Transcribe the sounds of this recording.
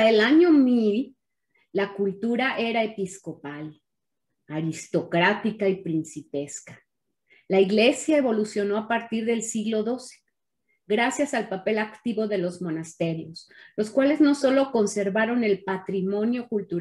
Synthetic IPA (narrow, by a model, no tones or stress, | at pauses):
elaɲo̞milː | akult̪uɾaʔe̞ɾae̞pisko̞pal | aɾist̪o̞kɾat̪ikaipɾinsipe̞skḁ | laiɣle̞sjae̞βo̞lusjo̞no̞apaɾt̪iɾðe̞lsiɣlo̞ðo̞se̥ | ɡɾasjasalpape̞lakt̪iβo̞ðe̞lo̞zmonast̪e̞ɾjo̞slo̞skwale̞zno̞so̞lo̞ko̞nse̞ɾβaɾo̞ne̞lpat̪ɾimõ̞njo̞kult̪uɾ